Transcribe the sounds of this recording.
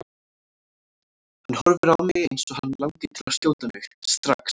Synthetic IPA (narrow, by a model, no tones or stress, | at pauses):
hanːhɔɾvʏɾawmɪɣejnsɔhanːlawt̪ɪt̪ʰɪlaɾst̪joːwt̪anʏxst̪ɾa̰ks